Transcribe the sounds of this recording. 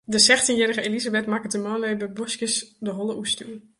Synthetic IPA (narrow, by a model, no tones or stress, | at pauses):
dəsɛxtinjɛɾəɣəelizabɛtmakətəmɔːnlebəbɔskəsdəɦolˠəʔustyən